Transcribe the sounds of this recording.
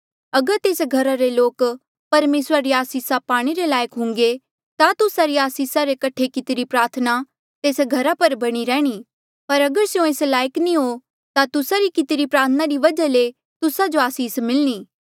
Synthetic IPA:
ɐɡəɾt̪eːsɡʱɐɾaɾeloːk | pɐɾmeːsɾaɾiaːsiːsapaːɽ̃iɾelaːjəkɦʊ̃ŋɡe | t̪at̪ʊsaɾiaːsiːsaɾekɐʈʰekɪt̪ɪɾipɾaːɾt̪ʰna | t̪eːsɡʱɐɾapɐɾbɐɽ̃iɾɛ̃ːɽ̃iː | pɐɾɐɡəɾsejõeːslaːjəknĩɦo | t̪at̪ʊsaɾikɪt̪ɪɾipɾaːɾt̪ʰənaɾiʋɐd͡ʒale | t̪ʊsad͡ʒoaːsiːsmɪlñiː

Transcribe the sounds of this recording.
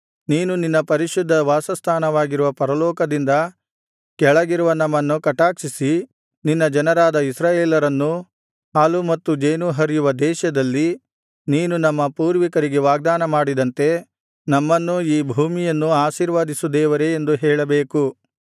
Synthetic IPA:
niːnuninːɐpɐɾiʃud̪ʱːɐʋaːsɐst̪ʰaːnɐʋaːɡiɾuʋɐpɐɾɐlɔːkɐd̪ind̪ɐ | kɛɭɐɡiɾuʋɐnɐmːɐnːukɐʈaːkʂisi | ninːɐd͡ʒɐnɐɾaːd̪ɐisɾaːjeːlɐɾɐnːu | haːlumɐt̪ːud͡ʒejnuɦɐɾijuʋɐd̪ɛːʃɐd̪ɐlːi | niːnunɐmːɐpuːɾʋikɐɾiɡeʋaːɡ̚d̪aːnɐmaːɽid̪ɐnt̪e̞ | nɐmːɐnːuiːbʱuːmijɐnːuaːʃiːɾʋaːd̪isud̪ɛːʋɐɾe̞ːnd̪uɦɛːɭɐbeːku

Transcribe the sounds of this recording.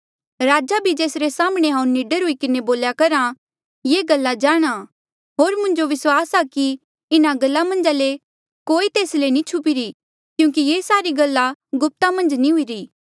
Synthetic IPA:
ɾaːd͡ʒabʱid͡ʒeːsɾesaːmɽ̃eɦãːũnɪɖəɾɦʊikɪneboːljakɐɾã | jeːɡɐlːad͡ʒaːɽ̃a | ɦoːɾmʊ̃ɲd͡ʒoʋɪswaːsaki | ɪnaɡɐlːamɐ̃nd͡ʒaːle | koːit̪eːslenĩt͡ʃʰʊpiɾi | kjũːkijeːsaːɾiɡɐlːaɡʊp̚t̪amɐ̃nd͡ʒnĩɦʊiɾiː

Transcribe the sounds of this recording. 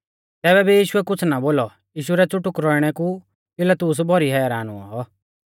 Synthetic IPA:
t̪ɛːβɛbijiːʃʊɛkʊt͡sʰnaboːlɔ | jiːʃ̬uɾɛt͡sʊʈːʊkɾɔɪɽ̃ɛku | pɪlət̪ʊs̬bʱɔɾiɦɛːɾaːnṵa̰ɦɔ

